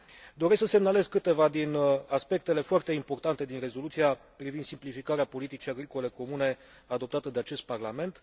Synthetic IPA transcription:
d̪o̞ɾesksəse̞mnale̞zkɨt̪e̞vad̪inaspe̞k̚t̪e̞le̞foart̪e̞impo̞rt̪ant̪e̞d̪inre̞zo̞lut̪sija | pɾivind̪simplifikaɾeapo̞lit̪it͡ʃiaɡɾiko̞le̞ko̞mune̞ | ad̪o̞p̚t̪at̪əd̪e̞at͡ʃe̞st̪̚parlame̞nt̪

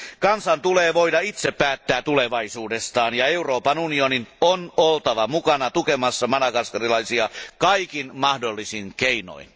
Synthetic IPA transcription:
kɑnsɑnt̪uleːʋo̞idɑit̪sepːæːt̪ːæːt̪uleʋɑisuːdest̪ɑːnjɑeuroːpɑnunioninonolt̪ɑʋɑmukɑnɑt̪ukemɑsːɑmɑnɑkɑrskɑrilɑisiɑkɑikinmɑhdolːisinkeino̰in

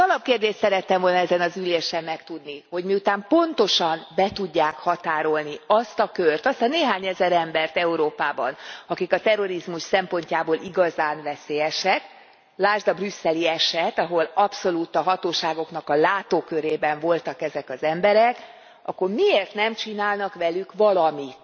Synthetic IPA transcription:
ɒlɒp̚keːrd̪eːʃt̪sɛɾɛt̪ːɛmvo̞lnɒɛzɛnɒzyleːʃɛmːɛkt̪ud̪niho̞ɟmiut̪aːmpo̞nt̪o̞ʃɒnbɛt̪uɟːaːkhɒt̪aːɾo̞lniɒst̪ɒkørt̪ɒst̪ɒneːɦaːɲɛzɛɾɛmbɛrt̪ɛuɾoːpaːbɒnɒkikɒt̪ɛro̞ɾizmuʃsɛmpo̞ɲcaːboːlʔiɡɒzaːnvɛseːjɛʃɛk | laːʒd̪ɒbrysːɛliɛʃɛt̪ɒɦo̞lɒpso̞luːt̪ɒɦɒt̪oːʃaːɡo̞knɒkɒlaːt̪oːkøɾeːbɛɱvo̞lt̪ɒkɛzɛkɒzɛmbɛɾɛk | ʔɒ̰kːo̞rmieːrt̪nɛmt͡ʃinaːlnɒkʋɛlykʋɒlɒmit̪

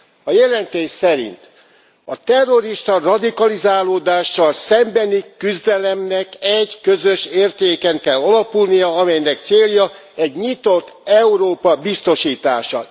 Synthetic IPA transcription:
ɒjɛlɛnt̪eːʃsɛɾḭnt̪ | ɒt̪ɛrːo̞ɾiʃt̪ɒrɒd̪ikɒlizaːloːd̪aːʃːɒlsɛmbɛnikyzd̪ɛlɛmnɛkɛɟkøzø̞ʃeːrt̪eːkɛŋkɛlːɒlɒpulnijɒɒmɛjnɛkt̪seːljɒ | ɛɟɲit̪o̞t̪ːɛuɾoːpɒbist̪o̞ʃiːt̪a̰ːʃɒ

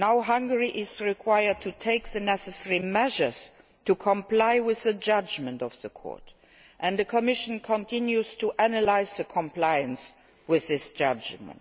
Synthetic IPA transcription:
naʊɦʌ̃ŋɡəɹiʔɪzɹikʰwaɪə˞d̚tʰutʰeɪk̚ðənɛsəsɛɹimɛʒə˞z | tʰukʰɔ̃mplaɪwɪðəd͡ʒʌd͡ʒmə̃ntɔfðəkʰɔ̰ɹt | ʔɛ̃nðəkʰɔmɪʃə̃nkʰɔ̃ntʰɪ̃njuztʰuʔænəlaɪzðəkʰɔ̃mplaɪə̃ns | wɪððɪsd͡ʒʌd͡ʒmə̰̃nt

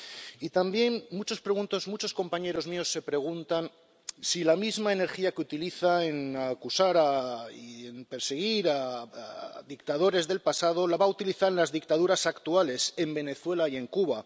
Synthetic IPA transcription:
it̪ambje̞nːut͡ʃo̞spɾe̞ɣunt̪o̞zmut͡ʃo̞sko̞mpaɲe̞ɾo̞zmio̞sːe̞pɾe̞ɣ̞unt̪an | silamizmaene̞ɾxiakeut̪iliθae̞nakusaɾaienpe̞ɾseɣ̞iɾaaðikt̪aðo̞ɾe̞zðe̞lpasað̞o̞laβaut̪iliθaɾenlazðik̚t̪aðuɾasakt̪uale̞se̞mbe̞ne̞θwe̞laie̞ŋkuβa

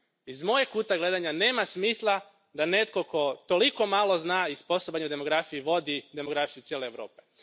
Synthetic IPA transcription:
izmo̞jekuːt̪aɡle̞d̪aɲane̞ːmasmiːslˠa | d̪ane̞t̪ko̞ko̞t̪o̞liko̞malo̞znaːispo̞sobaɲeud̪e̞mo̞ɡɾafijiʋo̞d̪id̪e̞mo̞ɡɾafijut̪sjeleeʋɾo̞ːpe̞

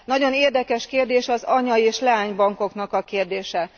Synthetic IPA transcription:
nɒɟo̞neːrd̪ɛkɛʃkeːrd̪eːʃɒzɒɲɒeːʃlɛaːɲbɒŋko̞knɒkɒkeːrd̪eːʃɛ

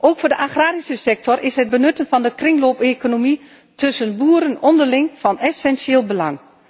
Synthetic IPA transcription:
ʔoːkfoːdəʔaχraːɾisəsɛk̚tɔrʔɪsɦɛd̚bənɵtənfɑndəkrɪŋloːpekonomi | tɵsənbuːɾənɔndəlɪŋfɑnɛsɛnsjeːlˠbəlɑ̰ŋ

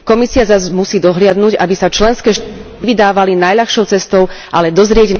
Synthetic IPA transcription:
kɔmisiazazmusiːd̪ɔɦlɪad̪nuɟabisat͡ʃlɛnskɛːʃ | ʋid̪aːʋalinajʎaxʃɔʊt͡sɛst̪ɔʊʔalɛd̪ɔzɾɪɛɟn

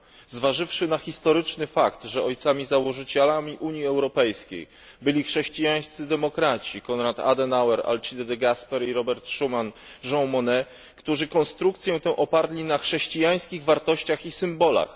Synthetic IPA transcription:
zvaʐɘfʂɘnaxʲist̪ɔɾɘt͡ʂnɘfakt̪ʐɛɔjt̪samʲizawɔʐɘt͡ɕɛlamʲiʔuɲjiɛwɾɔpɛjskʲḛj | bɘlʲixʂɛɕt͡ɕijaj̃st̪sɘd̪ɛmɔkɾat͡ɕikɔnɾat̪a̰d̪ɛnawɛɾa̰lt͡ʂid̪ɛd̪ɛɡaspɛɾiɾɔbɛɾt̪ʂumanʐɔ̃wmɔnɛ | kt̪uʐɘkɔnst̪ɾuk̚t̪sʲjɔ̃w̃t̪ɛ̃ʔɔpaɾlʲinaxʂɛɕt͡ɕijaj̃skʲiɣvaɾt̪ɔɕt͡ɕaxisɘmbɔla̰x

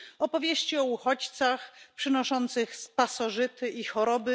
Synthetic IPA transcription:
ɔpɔvʲjeɕt͡ɕiɔuxɔt͡ɕt̪saxpʂɘnɔʂɔnt̪sɘxspasɔʐɘt̪ɘʔixɔɾɔbɘ

